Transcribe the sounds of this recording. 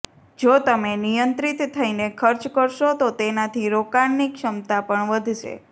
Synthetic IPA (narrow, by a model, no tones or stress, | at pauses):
d͡ʒot̪əmenijənt̪ɾit̪ʰːəinekʰəɾt͡ʃkəɾʃot̪ot̪enat̪ʰiɾokanːikʃəmt̪apəɳʋəd̪ʱʃḛ